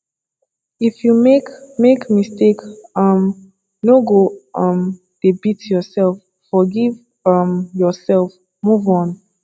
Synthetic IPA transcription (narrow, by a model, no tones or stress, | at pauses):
ifjuekmekmistekʌm | noɡoʌ̃m | d̥ebitjɔsɛlfːɔɡiv | ʌmjɔsɛlf | muvɔ̃n